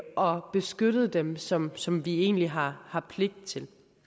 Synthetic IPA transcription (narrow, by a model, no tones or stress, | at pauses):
ʔɒ̽b̥e̝sɡ̥øɾ̥əð̞̩ˠd̥emsɒ̽msɒ̽mʋie̝̰ːnliɦɑ̈hɑ̈pʰle̝ɡ̥̚d̥̚t͡sʰe̝l